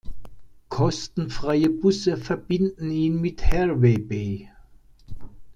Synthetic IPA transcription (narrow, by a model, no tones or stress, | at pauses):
kʰɔsd̥n̩fʁaɪəb̥usɐfɒb̥ɪnd̥n̩inmid̥hɛɐʋɛb̥eː